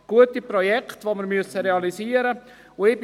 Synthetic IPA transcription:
ɡ̥uətiprɔjɛktʋoməɾmyəsəɾeɑliziːəɾə | ʊɪb

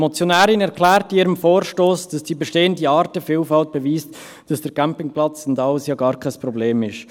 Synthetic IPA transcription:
mɔt͡sjonæːɾɪnɛɾkʰlæːɾtɪːɾəmfoːɾʃtoːsd̥ɑsd̥iːbɛʃteːəndiɑːɾtəfiːlfɑlt̚b̥ɛviːst | d̥ɑsd̥əɾkæmpɪŋplɑt͡sndɑlsjɑːɡɑːɾkʰaɪsprɔbleːmɪʃ

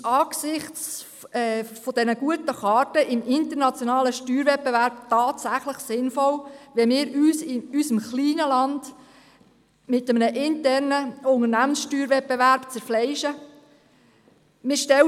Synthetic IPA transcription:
ɑːɡsɪχt͡s | ɛfod̥ɛnəɡ̥uətəχɑːrtəʔɪmɪntəɾnɑt͡sjonɑːləʃtyːɾvɛt̚pevæɾb̥̚tɑːtsæχləχsɪnfɔlʋɛmɪːɾyːsɪysəmχliːnəlɑnd | mɪtəmənəʔɪntɛrnəʊŋənæmənsʃtyːɾvɛt̚pevæɾb̥t͡sɛɾflɛɪʃə | mɪʃtɛ

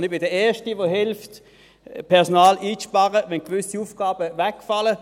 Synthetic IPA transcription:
nɪb̥ɪdəɛːɐʃtiʋoɦɪlft | pʰɛʁsonaːlʔiːt͡sʃpɑʁəʋɛnkvʏsiuːfɡ̥aːbəvɛkfalə

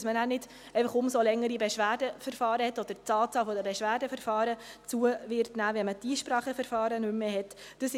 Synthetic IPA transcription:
smənæːnɪd̥ | eɪfəχʊmsolɛŋːəɾibɛʃʋæːɾdəfɛɾfɑːɾəhɛtːɔd̥əɾt͡sɑːt͡sɑːlfɔdəbɛʃʋæːɾdəfɛɾfɑːɾət͡suəvɪɾtnæːʋɛnmədiːʃpɾɑːχəfəɾfɑːɾənʉmmeːɦɛt | d̥əs

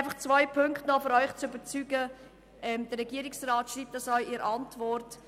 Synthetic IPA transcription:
ɪfɑχt͡svaɪpʰʏŋktnɔfyɾœʏχt͡sʏbəɾt͡syːɡə | ɛmd̥̪ərːɛɡiəɾɪksraːtʃliːp̚t̪d̥ɑsɔʏiːɾɑntvɔɾt

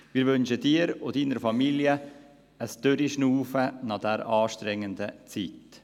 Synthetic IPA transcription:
mɪːɾvʏnʃədiːɾʊdiːnəɾfɑmiljə | əsd̥øɾiʃnuːfənɑd̥ɛɾɑːʃtɾɛŋːəndət͡siːt

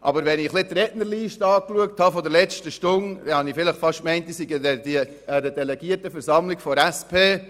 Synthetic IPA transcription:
ʔɑbəɾʋɛniχlɪt̪ɾɛtnəɾliːʃtɑːkluək̚thɑfɔdəlɛt͡ʃtəʃtʊnd̥ɛhɑnifɪləχfɑʃmɛɪnt̚disiɡə | əɾədɛlɛɡ̥iətəfɛɾsɑmlɪkfɔɾæspʰeː

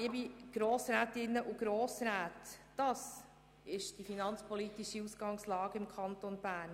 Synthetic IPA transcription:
ɪbiɡ̥ɾoːsɾæːt̪ɪnːəʔuɡ̥ɾoːsɾæːtː | ɑs | ɪʃd̥ifinɑnt͡spʰɔlitiʃiusɡ̥ɑŋslɑːɡ̥əɪmkʰɑnt̪onb̥æːɾn

